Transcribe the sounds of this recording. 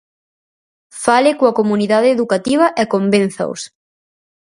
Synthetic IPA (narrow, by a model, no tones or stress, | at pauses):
falɪkoɐkomuniðaðeeːðukat̪iβ̞ɐʔɛkombẽn̟θɐ̰ṵs